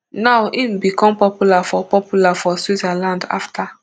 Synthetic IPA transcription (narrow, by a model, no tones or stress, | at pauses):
nawʔimbikɔ̃mpɔpjulafɔpɔpjulafɔswizalãnda̰ftʰa